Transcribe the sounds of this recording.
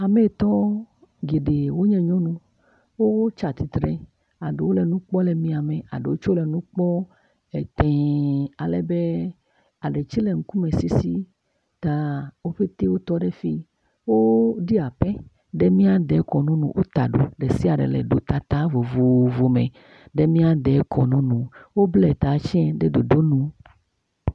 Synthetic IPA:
a˨me˨t̪ɔ˦ | ɡe˨ɖe˨wo˦ɲɛ̃˦ɲɔ̃˦nũ˦ | wo˦wo˦t͡ʃa˨t̪i˨t̪ɾɛ˦ | a˨ɖe˨wo˦lɛ˨nũ˦k͡pɔ˦lɛ˨mĩ˨a˨mẽ˨a̰˨ɖe˨wo˦t͡ʃo˦lɛ˨nũ˦k͡pɔ˦ | ɛ˨t̪ɛ̃˨˦a˨lɛ˨be˦ | a˨ɖe˨t͡ʃi˦lɛ˨ŋ̩˦ku˦mẽ˨si˦si˦ | t̪a˨wo˦ɸe˦t̪e˦wo˦t̪ɔ˦ɖe˦fi˦ | wo˦ɖi˦a˨pɛ˦ | ɖe˦mĩ˦a˦d̪ɛ˨˦kɔ˨nũ˦nṵ̃˨wʔo̰˦t̪a˨ɖo̰˨ɖe˨si˦a˨ɖḛ˨lḛ˨ɖo˨t̪a˨t̪a˦vo˨vo˨vo˨mḛ̃˨ | ɖe˦mĩ˦a˦d̪ɛ˨˦kɔ˨nũ˦nũ˨wo˦blɛ˦˨t̪a˨t͡ʃɛ̃˦ɖe˦d̪o˨d̪o˦nũ˦

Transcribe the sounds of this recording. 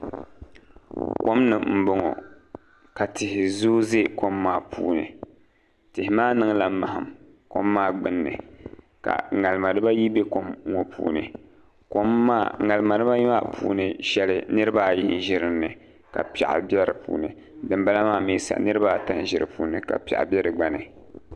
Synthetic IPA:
ko˦mnɨ˨m̩˦˨bo˦ŋɔ̰˨ | ka˨tɪ˨hɪ˨zo˦ze˦ko˦mːaː˦pʰuː˨˦nɨ̰˨ | tɪ˨hɪ˨maː˦nɨ˦ŋ˦la˨˦ma˨ɦɨ˨m | ko˦mːaː˦ɡ͡bɨ˦nːɨ̰˨ | ka̰˨ŋa˨lɨ˨ma˨dɨ˦ba˦ji˦be˦ko˦m˦o˨pʰṵː˨nɨ̰˨ | ko˦mːaː˦ŋa˨lɨ˨ma˨dɨ˦ba˦ɲ˦ma˦pʰṵː˦nɨ˨ʃɛ˦lɨ˨nɨ˦ɾɨ˦baː˦˨ji˦n˦ʒɪ˦ɾɨ˦nːɨ˨ | ka̰˨pi˨a̰˨ʔa̰˨bɛ˦ɾɨ˨pṵː˨nɨ˨ | dɨ˨mba˦la˦maː˦mi˦sa̰˨nɨ˦ɾɨ˦baː˦ta˦n˨ʒɪ˦ɾɨ̰˨puː˨nɨ˨ka̰˨pa̰˨ʔɪ̰˨bɛ˦ɾɨ˨ɡ͡ba˦nɨ˨

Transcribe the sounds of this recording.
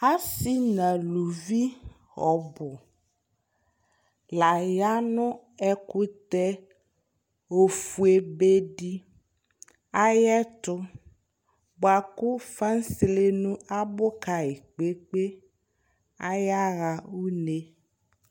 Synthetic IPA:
a˦si˦nã˨lu˨vi˦ | xɔ˨bʊ˨ | la˨ja˦nʊ̃˦ | ɛ˦ku˦t̪ɛ˦ | o˨fu˨e˨be˦ɖi˦ | a˦jɛ˦t̪ʊ˦ | ba˨kʊ˦fã˦n˦si˨le˦nũ˦a˦bʊ˦ka˨i˨k͡pe˦k͡pe˦ | a˦ja˦ɣa˨wu˦ne˦

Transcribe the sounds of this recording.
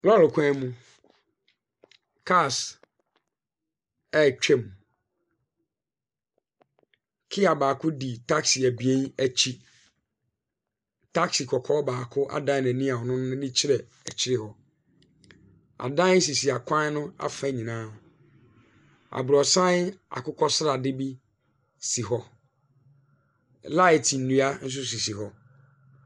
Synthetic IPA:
lɔ˦lʊ˨kʰʷã˦mũ˦ | kʰa˦˨s | ɛ˦˨t͡ɕᶣɛ˦mu˨ | kʰɪ˦a˨baː˨kʰʊ˦di˨tʰa˦ksi˨æ˨bi˨ẽ˦næ˦t͡ɕʰi˦ | tʰa˦ksi˨kʰɔ˨kʰɔː˦baː˨kʰʊ˦ʔa̰˨dã˦˨næ̃˨nĩ˦a˨hɔ˨nʊ̃˦n˦nʊ̃˦nĩ˦t͡ɕʰɪ˦ɾɛ˨ | ɛ˨t͡ɕʰɪ˦ɾɪ˦hɔ˨ | a̰˨dã˦s̬i˨si˨a˨kʷʰã˦nʊ̃˦a̰˨fã˦ɲĩ˨nãː˦˨ | a̰˨bʊ˨ɾɔ˨sã˦ɪ˦a̰˨kʊ˦kʰɔ˦sɾa˨dɪ˦bi˦ | si˨ɦɔ˦ | la˦ɪ˨tʰi˨n̩˨nũ˦a˦n̩˦s̬ʊ˦s̬i˨si˨ɦɔ˨

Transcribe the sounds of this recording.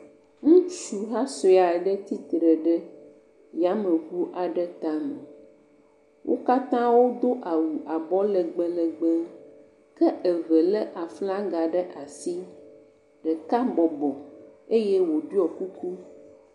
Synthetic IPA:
ŋũ˦t͡ʃu˨ɦa˦so˨˦a˨ɛ˨ɖɛ˦t̪i˦t̪ɾɛ˨ɖɛ˦ | ja˦mə̃˨ɣu˦ʔa˨ɖɛ˦t̪ã˦me˨ | wʔo̰˦ka˦t̪ã˦wo˦d̪o˦ʔa˨wu˨ʔa˨bɔ˦lɛ˨ɡ͡bɛ̃˦lɛ˨ɡ͡bɛ˦ | kɛ˦ʔɛ˨vɛ˨lɛ˦ʔa˨fl̃a˦ɡa˨ɖɛ˦ʔa˨si˦ | ɖɛ˨ka˦bɔ˨bɔ˨e˦je˦wo˨ɖi˦ɔ˨ku˦ku˦

